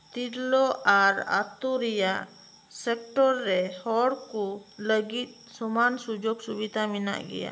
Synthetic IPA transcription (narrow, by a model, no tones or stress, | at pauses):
t̪iɾlɔʔaɾa̰t̪uɾija | sɛk̚ʈɔɾːɛhɔɽkuləɡit̪̚sɔmansud͡ʒoɡsubid̪ʱamina̰ʔɡɛ̰ja̰